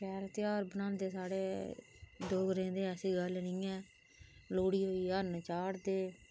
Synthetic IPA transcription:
kɛːɾət̪jaːɾbənãːnd̪eːsaːɽeː | d̪oːɡɾẽːd̪eːɛːsiːɡəlnĩːɛː | loːɽiːɦoːiːənt͡ʃaːɾd̪eː

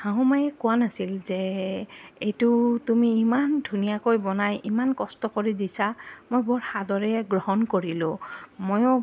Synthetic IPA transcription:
hãɦumajɛkʊwanasilzɛ | ejtʊtumiːmandʱunijakojbɔnajʔimankɔstɔkoɹidisamojbɔɹxadɔɹɛɡɹɔɦɔnkoɹilʊmojɔ

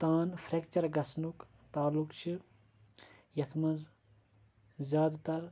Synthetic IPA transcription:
t̪aːnfʰɾekt͡ʃɐɾɡɐsnuk | t̪aːlːukt͡ʃʰi | jɐt̪ʰmɐz | zʲjaːd̪t̪ɐɾ

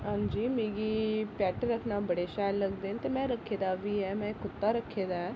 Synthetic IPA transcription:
ɦãːɲd͡ʒiːmĩːɡiːpɛːʈɾəkʰnaːbəɽeːʃaːjlːəɡd̪eːnt̪emɛ̃ːɾəkʰːeːd̪aːʋʱiːɦɛːmɛ̃ːkʊt̪ːaːɾəkʰːeːd̪aːɦɛː

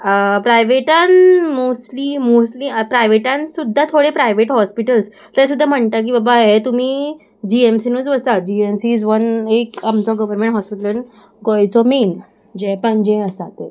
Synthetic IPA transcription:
əpɾajʋeʈanmoslimosliːəpɾajʋeʈãnsud̪ʱːat̪ʰoɽepɾajʋeʈɦɔspiʈəls | t̪as̬ud̪ʱːam̤əɳt̪ak̬iːbabaɦet̪um̤iː | d͡ʑiemsinud͡zʋəsad͡ʑiemsiːd͡zʋənekamt͡sɔɡəʋəɾmẽɳʈɦɔspiʈələn | ɡɔjt͡sɔmiːn | d͡ʑepə̃ɲd͡ʑẽəsat̪e

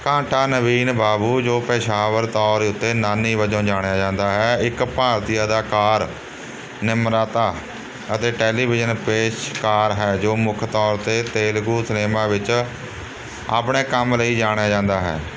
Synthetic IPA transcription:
kãːʈʰaːnəʋiːnbaːbuːd͡ʒoːpəːʃaːʋəɾt̪ɔːɾʊt̪ːeːnaːniːʋəd͡ʒõːd͡ʒaːɽ̃jaːd͡ʒãːnd̪aːɦɛːɪkpaːɾt̪ijaːd̪aːkaːɾ | nɪmɾaːt̪aː | ət̪eːʈɛːliːbɪd͡ʒənpeːʃkaːɾɦɛːd͡ʒoːmʊkʰt̪ɔːɾt̪eːt̪eːlɡuːsneːmãːʋɪt͡ʃ | a̰ːpɳeːkəmləiːd͡ʒaːɽ̃ejaːd͡ʒãːnd̪aːɦɛ̰ː

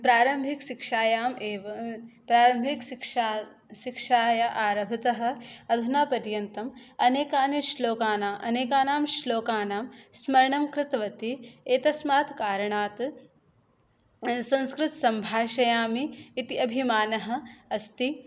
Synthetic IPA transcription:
pɾaːɾɐmbʱikʃikʂaːjaːmeːʋɐpɾaːɾɐmbʱikʃika | ʃikʂaːjɐʔaːɾɐbʱɐt̪ɐɦɐ̆ɐd̪ʱunaːpɐɾjɐnt̪ɐmɐneːkaːniʃloːkaːnaːmʔɐneːkaːnaːmʃloːkaːnaːmsmɐɾɐɳɐmkɾɪt̪ɐʋɐt̪ieːt̪ɐsmaːt̪kaːɾɐɳaːt̪ | sɐ̃nskɾɪt̪sɐmbʱaːʃɐjaːmiːt̪iɐbʱimaːnɐɦɐ̆ɐst̪i

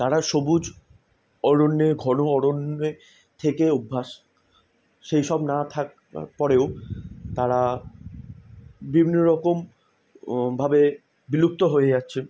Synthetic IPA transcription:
t̪aɾaʃobud͡ʑ | ɔɾonːeɡʱɔnoɔɽonːe | t̪ʰekeubʱːaʃ | ʃejʃɔbnat̪ʰak | a̰pɔɾeot̪aɾa | bibʱinoɾɔkom | bʱabe | biluk̚t̪oɦoed͡ʑatːɕʰen

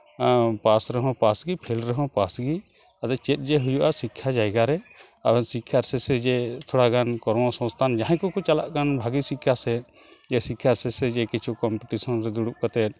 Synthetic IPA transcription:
pasɾɛɦɔ̃pasɡipʰilɾɛɦɔ̃pasɡi | ad̪ɛt͡ʃɛt̪̚ˀd͡ʒɛɦujuʔasikʰːad͡ʒajɡaɾɛ | abɛnsikʰːaɾsɛsɛd͡ʒɛt̪ʰɔɽaɡankɔɾmɔsɔ̃st̪ʰand͡ʒaɦɛ̃kɔkɔt͡ʃalaʔkanbʱaɡisikʰːasɛ | d͡ʒɛsikʰːasɛsɛd͡ʒɛkit͡ʃʰukɔmpɛʈisɔnɾɛd̪uɽuʔ̚kat̪ɛt̪̚

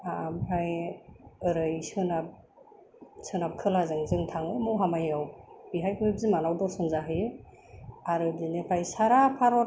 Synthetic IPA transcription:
amɾaj | ɯɾɯjsɯnap̚ | sɯnap̚kʰɯlazɯŋzɯŋtʰaŋɯmɔɦamajawbiɦajkʰɯib̚zimanawdɔsɯnzaɦɯjɯ | aɾɯdinekʰajsaɾapʰaɾɔ

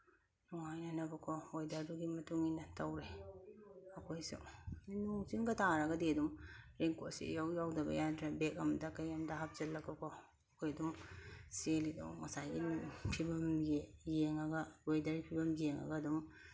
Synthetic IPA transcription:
nuŋajnanɐbɐkʰoojdaɾduɡimɐtuŋinɐtɐwɾe | ɐkʰojsṵinuŋsiŋɡɐtʰaɾɐɡɐdiɐdumɾeŋkʰotsḭjawjawdɐbɐ̰jantʰɾabek̚ɐmdɐkɐjamdɐɦap̚z̥ɐtlɐɡɐkʰo | ɐkʰojɐdumselidṵwmɐsajɡinpʰibɐmjijeŋɐɡɐojdaɾipʰibɐmjeŋɐ̰ɡɐːdum

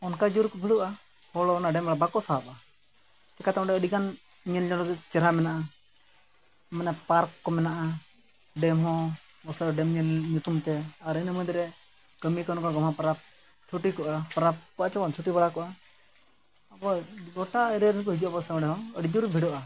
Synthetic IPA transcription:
ɔnkad͡ʒuɾkɔbʱiɽɔʔa | hɔlɔːnaɖɛmaɽabakɔsaɦapa | kɛkat̪ɛɔ̃ɖɛəɖiɡan | ɲɛnɲɔlɔɡɛt͡ʃɛɾamɛnaʔa | mɛnɛpaɾkːɔmɛnaʔa | ɖɛmɦɔ̃ | ɔsɔɔɖɛmɲɛlɲut̪umt̪ɛaɾinəməd̪ɾɛ | kəmikɔnɔkaɡɔmapaɾap̚ | t͡ʃʰuʈikɔʔapaɾap̚kat͡ʃɛbɔnt͡ʃʰuʈibaɽakɔʔa | abɔɡɔʈaəɾɛɾɛnkɔɦid͡ʒuʔabɔsɛɔɖɛɦɔ̃əɖid͡ʒuɾ̚bʱiɽɔʔa

